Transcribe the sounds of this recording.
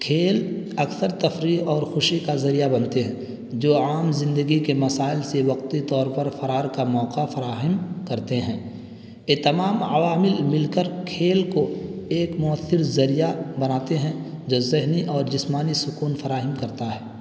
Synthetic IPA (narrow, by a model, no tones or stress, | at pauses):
kʰeːl | ɐksəɾt̪ɐfɾiːɔːɾxʊʃikazɐɾijabɐnt̪eɦɛ̃ | d͡ʒoːaːmzɪ̃nd̪əɡikemɐsaːɪlseʋɐq̚t̪it̪ɔːɾpɐɾfɐɾaːɾkamɔːqafɐɾaːɦəmkɐɾt̪eɦɛ̃ː | jet̪ɐmaːmɐʋaːmɪlmɪlkəɾkʰeːlkoeːkmʊəθːɪɾzɐɾijabɐnaːt̪eɦɛ̃ | d͡ʒoːzɪɦniʔɔːɾd͡ʒɪsmaːnisʊkuːnfɐɾaːɦɪmkɐɾt̪aɦɛː